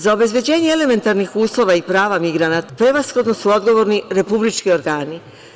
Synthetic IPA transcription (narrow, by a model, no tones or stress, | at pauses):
zao̞be̞zbjed͡ʑe̞ːɲeele̞me̞nt̪aɾnixuːslˠo̞ʋaipɾaːʋamiɡɾanat̪apɾe̞ʋasxlod̪nosuo̞d̪ɡo̞ʋo̞ɾniɾe̞publit͡ʃkio̞ɾɡaːni